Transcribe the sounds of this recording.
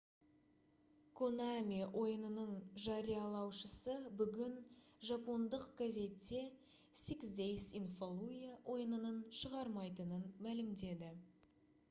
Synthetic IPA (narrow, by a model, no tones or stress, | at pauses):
kʰonamʲiʔo̞jənənəɴʒɑɾijɑlˠɑwʃəsəbʏɡʲɪnʒɑpo̞nd̪əqɡ̥azʲe̞t̪ːe̞ | siksd̪ejsinfolˠujawʔo̞jənənənʃəʁɑɾmɑjt̪ənənmælɪmd̪e̞d̪ɪ